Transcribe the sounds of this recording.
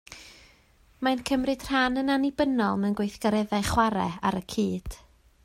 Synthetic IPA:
maɨnkʰəmrɨd̥r̥anənanibənɔlˠmɛnɡwejθɡ̥aɾɛðajχwaɾɛ̰a̰ɾəkʰiːd̥

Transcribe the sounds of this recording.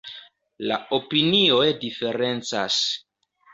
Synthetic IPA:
la̰opiniojdife̞ɾe̞nt͡sa̰s

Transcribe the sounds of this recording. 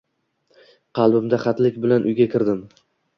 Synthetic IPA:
qʰɑlˠbɪmd̪aχɑt̪lɪkʲbɪlanʔʊjɡʲakʲʰɪɾd̪ɪm

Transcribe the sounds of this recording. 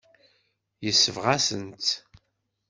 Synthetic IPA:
jəsːəvʁasənt̪

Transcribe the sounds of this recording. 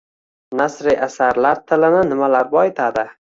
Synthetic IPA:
nasɾijʔasaɾlaɾt̪ʰɪlɪnɪnɪmalaɾbɒet̪ʰad̪ɪ

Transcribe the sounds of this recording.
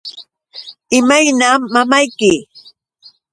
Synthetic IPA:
ɪmajnaːamajkɪ

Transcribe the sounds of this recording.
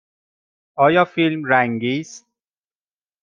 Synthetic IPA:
ɒːjɒːfilmɾæŋɡiːs

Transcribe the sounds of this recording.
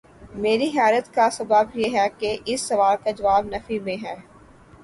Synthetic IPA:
meːɾiɦɛːɾət̪kasɐbəbjeɦɛkeʔɪsːɐʋaːlkad͡ʒɐʋaːbnɐfimẽɦɛː

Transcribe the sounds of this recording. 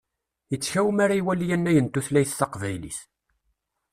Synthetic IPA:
jət͡sːçæwmaɾaiwælijænːæjənt̪ːuθlæjθθɑqvæjlḭθ

